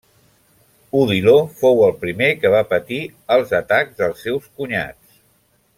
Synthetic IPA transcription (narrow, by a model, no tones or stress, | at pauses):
uðilofowəlˠpɾimekəβ̞apət̪i | əlˠzət̪aɡzðəlˠsːɛwskuɲa̰t͡s